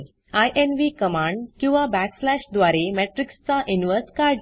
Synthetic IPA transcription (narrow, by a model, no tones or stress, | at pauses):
ajʔenʋikəmãɳɖkĩw̃ʋabækslæɕd̪ʋaɾemɛʈɾikst͡saʔinʋəɾskaɾɖ